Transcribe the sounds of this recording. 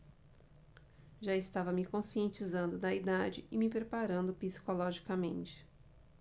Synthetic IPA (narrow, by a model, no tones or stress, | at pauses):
ʒaɪst̪avɐmɪkõsiẽnt͡ʃizɐ̃nd̪ʊd̪ɐid̪ad͡ʒɪɪmɪpɾepaɾɐ̃nd̪ʊpisi̥kolɔʒikɐmẽnt͡ʃɪ̥